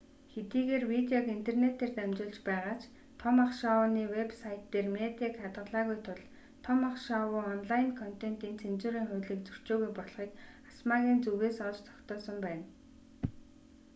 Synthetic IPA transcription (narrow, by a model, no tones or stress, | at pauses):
xet̪iːɣeːrwit̪eɔkin̥t̪ʰernet̪eːrt̪æmt͡ɕʊːɮt͡ɕpæːʁaːt͡ɕ | t̪ʰɔmaχʃɔniːwepsajʰt̪ːeːrmet̪eːkat̪ʁə̆ɮaːɣujt̪ʰʊɮ | t̪ʰɔmaχʃɔwʊːɔnɮaɪnkʰɔn̥t̪en̥t̪iːnt͡sʰent͡ɕʊːɾiːŋχʊjɮiːkt͡sɵr̥t͡ɕoːɣujpɔɮχiːk | ḁsmaːɣʲiːnt͡suɣeːsɔt͡ɕt̪ʰɔ̥kt̪ɔːsə̆mpæːn